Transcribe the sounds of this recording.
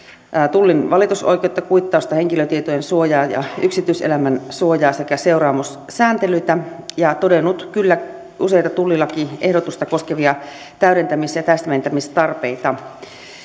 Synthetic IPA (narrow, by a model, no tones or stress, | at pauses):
t̪ulːinʋɑlit̪uso̰ikeot̪ːɑkuit̪ːɑˑust̪ɑheŋkiløt̪iet̪ojensuojɑːjɑ̰yksit̪yˑsḛlæmænsuojɑːsekæse̞uɾɑːmus | sæːnt̪elyit̪æ | jɑt̪odenːut̪kylːæ | use̞it̪ɑt̪ulːilːɑkiʔehɾot̪ust̪ɑko̞skeʋiɑ | t̪æyɾent̪æmisjɑt̪æst̪æment̪æmist̪ɑrpeit̪ɑ